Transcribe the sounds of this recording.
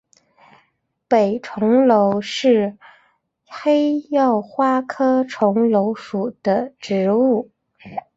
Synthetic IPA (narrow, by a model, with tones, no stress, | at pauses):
pe˨˩ɪʈ͡ʂʰʊ˧˥ŋlo˧˥ʊʂɻ̩˥˩ | xe˥ɪjɑ˥˩ʊxwa˥kʰɤ˥ʈ͡ʂʰʊ˧˥ŋlo˧˥ʊʂu˨˩d̪̥ə˦ʈ͡ʂɻ̩˧˥u˥˩